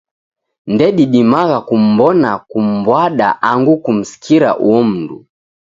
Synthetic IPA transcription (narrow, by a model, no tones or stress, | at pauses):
ndɛɗiɗimaɣakum̩bɔnakum̩bwaɗa̰ʔaŋɡukum̩si̥kʰiɾa̰ʔuɔm̩ndṵ